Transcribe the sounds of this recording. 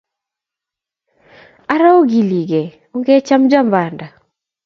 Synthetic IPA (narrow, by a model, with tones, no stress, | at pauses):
a˦ɾa˦o˦ɡi˨li˨ɡe˨ | u˦ŋɡe˦t͡ʃa˦md͡ʒa˦mba˨nda˨